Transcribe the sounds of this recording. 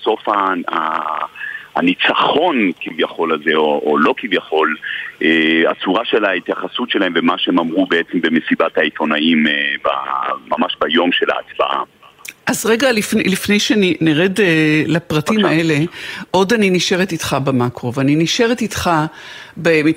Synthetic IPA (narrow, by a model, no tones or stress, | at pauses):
so̞faa̰ | anit͡saχo̞nkivjaχo̞lalzeoolo̞kivjaχo̞lʔea̰t͡suʁaʃe̞lait̪jaχasutʃelahemvemaʃeemamʁubeet͡sembemesibat̪hait̪o̞naimba̰mamaʃbajo̞mʃela̰ːt͡sba̰ʔa̰ | ʔazʁe̞ɡaliflifnejʃeniniʁedlapʁatimaʔe̞le̞ʔo̞daniniʃe̞ʁetit̪χabemakʁo̞vaniniʃe̞ʁetit̪χa | be